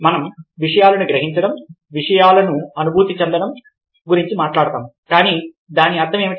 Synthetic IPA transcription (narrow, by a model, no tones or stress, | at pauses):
mɐnɐmʋiʂɐjaːlɐnuɡɾɐɦiɲt͡ʃɐɽɐm | ʋiʂɐjaːlɐnuɐnubʱuːt̪it͡ʃɛnd̪ɐɽɐm | ɡuɾiɲt͡ʃimaːʈlaːɽɐt̪aːmkaːniː | d̪aːniɐd̪ːɐme̞ːmi